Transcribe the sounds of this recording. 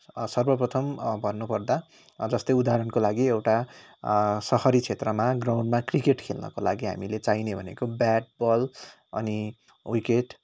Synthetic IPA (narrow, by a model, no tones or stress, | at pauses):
sʌrbʌprʌt̪ʰʌmbʱʌrnːupʌrd̪a | d͡zʌst̪ʌjud̪aɾʌnkolaɡiewʈa | sʌhʌɾit͡sʰet̪rʌmaɡraw̃ɳɖmakrikeʈkʰelnʌ̰kola̰ɡiɦa̰milet͡sajnebʱʌnḛkobaʈ̚bʌl | ʌ̰ni | wikeʈ